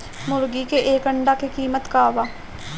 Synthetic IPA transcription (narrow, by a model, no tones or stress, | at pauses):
mʊɾɡikeʔeːkəɳɖakekiːmət̪kaːʋaː